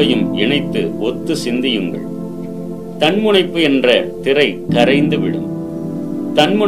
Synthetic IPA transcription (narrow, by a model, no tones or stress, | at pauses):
ɐjɯmʔɪɳɐɪt̪ːɯ̰ʔɔt̪ːɯsɪnd̪ɪjɯŋɡɐ̰ɭ | t̪ɐnmʊɳɐɪpːɯɛndrɐt̪ɪrɐɪkɐɾɐɪnd̪ɯʋɪɽɯ̰m | t̪ɐnmʊ